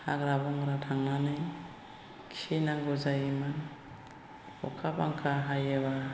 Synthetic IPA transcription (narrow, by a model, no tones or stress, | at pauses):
haɡɾabɔŋɾatʰaŋnanɯj | kʰisejnaŋɡɔzajiman | ɔ̰kʰabaŋkʰaɦajeba